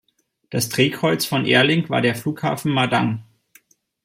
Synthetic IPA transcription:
d̥astʁ̥eːkʁɔʏt͡sfɔnʔḛːɐlɪŋv̥a̰ːɐɾeːɐfluːkha̰ːfn̩madaŋ

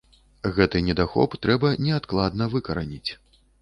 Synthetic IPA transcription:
ɣɛt̪ɨnʲɛd̪axɔ̰pt̪ɾɛbɐnʲɛat̪klˠad̪nɐvɨkɐɾanʲit͡sʲ

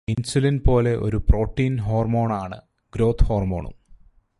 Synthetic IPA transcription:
insulinpo̞ːle̞ʔo̞̰ɾupro̞ːʈːiːnɦo̞ːrmo̞ːɳaːɳɨ̰ | ɡ̥ɾo̞ːt̪ʰhoːrmo̞̰ːɳṵm

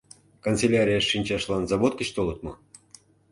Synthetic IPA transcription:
kont͡selʲaɾʲijɑʃːinʲt͡ɕɑʃlɑnzɑβot̪̚kə̆t͡ɕt̪olɤt̪mɤ̆

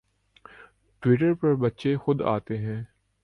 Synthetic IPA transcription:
ʈwɪːʈ̬əɾpɐɾbɐt̪ːʃexʊd̪a̰ːt̪eɦɛ̃ː

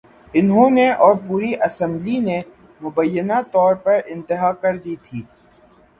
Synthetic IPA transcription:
ɪnɦõneʔɔːɾpuːɾiʔɐsə̃mbline | mʊbəjːənat̪ɔːɾpɐɾɪ̃nt̪ɪɦakɐɾd̪iːt̪ʰiː

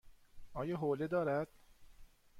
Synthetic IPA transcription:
ʔɒːjɒːɦoːled̪ɒːɾæd̪̥̚

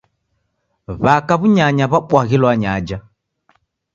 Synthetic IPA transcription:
βakaβuɲaɲaβaɓwaɣilwaɲad͡ʒa

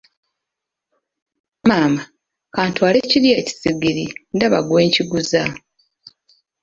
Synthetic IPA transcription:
maːma | kaːntwaːle̞ciɾje̞ːci̥siɡiɾindaβa̰ɡwe̞ːɲciɡuza

